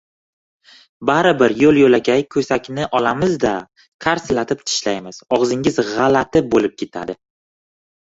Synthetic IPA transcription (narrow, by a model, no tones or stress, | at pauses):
baɾɪbɪɾjolˠjolaɡʲajkʰɵsakʲnɪʔɒlamɪzd̪a | kʰaɾslat̪ʰɪpt̪ʰɪ̥ʃlajmɪz̥ɒʁzɪŋʲɪzʁɑlat̪ʰɪbolɪp̚kʲʰe̞t̪ʰa̰d̪ɪ